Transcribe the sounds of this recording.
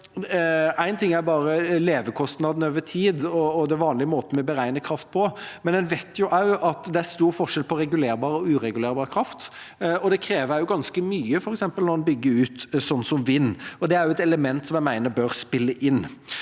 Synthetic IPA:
æɪnt̪ʰɪŋːæɾbɑːɾəleːʋəkʰɔst̪nɑd̪n̩øːʋət̪ʰiːd̪ɔːd̪ɛæʋɑːnlɪəmoːt̪əmɛbəɾæɪnəkʰɾɑft̪̚pʰɔmɛnɛnʋɛɪt̪ʰjʊʔɑʉʔɑt̪d̪ɛæɾst̪uːɾfɔʂɛlpʰɔɾɛɡʉleːɾbɑːɾəɔʉːɾɛɡʉleːɾbɑːɾəkʰɾɑft̪ | ɔd̪ɛkʰɾeːʋəɾjʊɡɑnskəmyːəfɔɾɛksɛmpəlnɔɾɛnbʏɡːəʉːt̪sɔnːsɔmʋɪnːɔd̪ɛæɾjʊɛt̪ɛləmɛnt̪sɔmjæɪmæɪnəɾbøːɾspɪlːəʔɪnː

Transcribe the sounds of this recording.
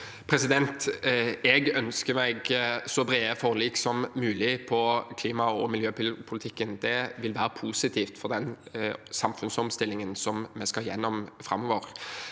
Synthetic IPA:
pʰɾɛsɪd̪ɛnt̪ɛɡœnskəmæɪɡsɔbɾeːəfɔʁliːksɔmːʉːlɪpʰɔkʰliːmɑɔmɪljøːppʰʊlɪt̪ʰɪkːənd̪ɛʋɪlʋæːɾəpʰuːsɪt̪ʰiːft̪fɔʁd̪ɛnsɑmfʉnsɔmst̪ɪlːɪŋənsɔmmɛskɑjɛ̰nːɔmfɾɑ̰mːɔʋəɾ

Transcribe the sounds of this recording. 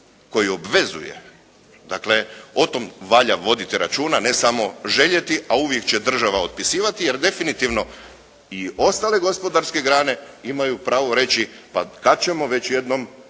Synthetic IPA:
ko̞jio̞bʋe̞zṵjḛ | d̪akle̞ot̪o̞mʋaʎaʋo̞d̪it̪iɾa̰t͡ʃuːnane̞samo̞ʒe̞ʎe̞t̪iʔauʋje̞kt͡ɕe̞d̪r̩ʒaʋaot̪̚pisiːʋat̪ijeɾd̪e̞finit̪iʋno̞ | io̞st̪ale̞ɡo̞spo̞d̪aɾske̞ɡɾaːne̞imajupɾaːʋo̞ɾe̞t͡ɕipakad̪̚t͡ɕe̞mo̞ʋe̞t͡ɕje̞d̪no̞m

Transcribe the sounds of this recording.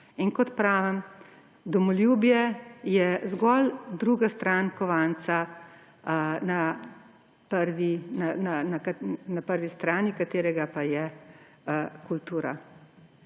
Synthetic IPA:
inkɔt̪pɾaːʋɛm | d̪ɔmɔljuːbjɛjɛzɡɔld̪ɾuːɡast̪ɾaːnkɔʋaːnt̪sa | na | pəɾʋinananakanapəɾʋist̪ɾaːnikat̪eːɾɛɡapajɛ | kult̪uːɾa̰

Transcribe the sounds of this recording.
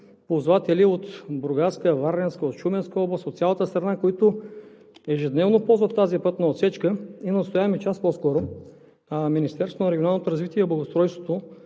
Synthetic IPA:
pozvat̪ɛliot̪bɾʊɡaɾskəvaɾnɛnskəot̪ʃumɛnskəɔblˠɐst̪ot̪sʲalˠət̪əst̪ɾɐnakoit̪ʊ | ɛʒɛd̪nɛvnopɔlˠzvɐt̪ːazipət̪nɐot̪sɛt͡ʃkəinɐst̪ojavɐmɛt͡ʃaspɔskɔɾʊ | minist̪ɛɾsvonɐɾɛɡʲionalˠnot̪oɾɐzvit̪iɛiblˠɐɡost̪ɾɔjst̪vot̪o

